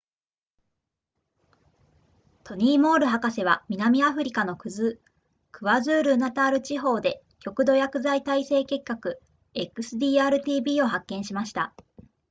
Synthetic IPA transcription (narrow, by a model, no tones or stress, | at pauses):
t̪ʰo̞ɲ̟iːmo̞ːɾɯ̟ɦakase̞β̞amʲinamʲiaɸɯ̟ɾʲikano̞kɯ̟zɨ | kɯ̟βazɨːɾɯnat̪aːɾɯ̟t͡ɕiɦo̞ːd̪e̞ | kʲo̞kɯ̟d̪o̞jakɯ̟zait̪aise̞ːke̞kːakɯ̟ | e̞kːɯ̟sɨd̪ʲiːaːɾɯ̟t̪ʲiːbʲiːo̞ɦakːẽ̞ɕimaɕi̥t̪a